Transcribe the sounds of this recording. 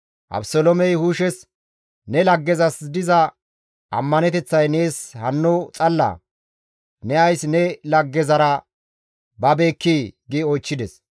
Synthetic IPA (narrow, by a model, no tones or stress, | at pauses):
ʔɐ̰bsolɔmɛjhuːʃɛs | nɛlɐɡːɛzɐsd̪ɪzɐ | ʔɐ̰mːɐnɛt̪ɛt͡sːɐjne̞ːshɐnːut͡sʼɐlːɐ̰ | nɛɐjsnɛlɐɡːɛzɐɾɐ | bɐbe̞ːkːiɡɪɔjt͡ʃːɪd̪ɛs